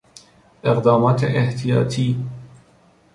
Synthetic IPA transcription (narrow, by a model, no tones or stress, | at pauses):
ʔeqd̪ɑːmɑːt̪ʰeʔeht̪ʰijɑ̰ːt̪ʰiː